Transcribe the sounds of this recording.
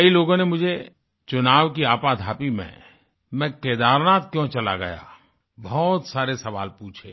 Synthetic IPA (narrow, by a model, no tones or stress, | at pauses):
kəiloːɡõnemʊd͡ʒʱe | t͡ʃʊnaːʋkiaːpad̪ʱaːpimḛ̃ | mɛ̃keːd̪aːɾnaːt̪̚kjõt͡ʃɐla̰ɡɐ̰ja̰ː | bʱɔːt̪saːɾesɐʋa̰ːlpuːt͡ʃʰḛː